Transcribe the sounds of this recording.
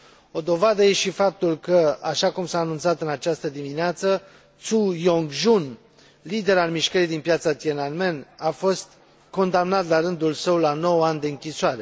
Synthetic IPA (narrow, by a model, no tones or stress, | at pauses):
o̞d̪o̞vad̪əje̞ʃifap̚t̪ulkəa̰ʃakumsaːnunt̪sat̪ɨnat͡ʃast̪əd̪imineat̪sə | t̪sujoŋɡʒun | lid̪e̞ɾalmiʃkəɾid̪inpjat̪sat̪jenanme̞nafo̞st̪ | ko̞nd̪amnat̪laɾɨnd̪ulsəwlano̞wanʲd̪e̞ɨŋkʲisoaɾe̞